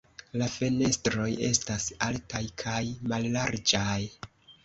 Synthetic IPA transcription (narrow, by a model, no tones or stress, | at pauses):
lafe̞ne̞stɾo̞je̞̰stasaltajkʰajmallaɾd͡ʒaj